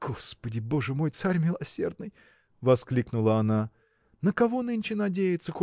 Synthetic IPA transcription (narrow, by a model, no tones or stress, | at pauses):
ɡ̥ospədʲɪbo̞ʐɨmo̞jt̪saɾʲmʲɪlˠɐsʲe̞rd̪̚nɨj | vɐsklʲiknʊlˠəɐna | nəkɐvo̞nɨnʲt͡ɕɪnɐdʲejɪt̪səko